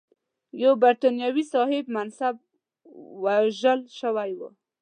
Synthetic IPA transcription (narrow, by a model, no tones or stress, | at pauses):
jawbaɾt̪ɑnjɑwisɑhɪbmansab̚ | waʒəlʃəwajwṵ